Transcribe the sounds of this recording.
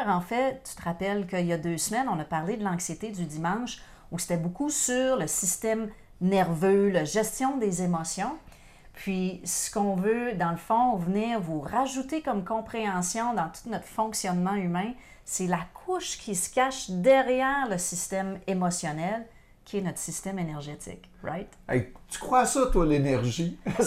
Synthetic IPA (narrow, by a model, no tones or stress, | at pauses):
ɑ̃fɛt̪y̥t̪əʁapɛlkʲəiljad̪øːsmɛnɔ̃napaʁled̪əlɑ̃ksjet̪ed̪yd̪imɑ̃ʃ | use̥t̪ɛbokusyʁləsist̪ɛm | nɛʁvølaʒɛst̪jɔ̃d̪ezemɔsjɔ̃ | pʰɥisə̥kɔ̃vød̪ɑ̃ləfɔ̃vniːʁvuʁaʒut̪ekɔmkɔ̃pχeɑ̃sjɔ̃d̪ɑ̃t̪u̥t̪nɔt̪χfɔ̃ksjɔnmɑ̃ymɛ̃ | selakʰʊʃkʲʰisə̥kʲaʃd̪ɛʁjɛːʁləsist̪ɛmemɔsjɔnɛl | kʲʰiɛnɔt̪χsist̪ɛmenɛʁʒet̪ɪ̰k | ʁa̰ɪt̪ɛ̰ɪt̪y̥kχwasʌt̪walenɛʁʒi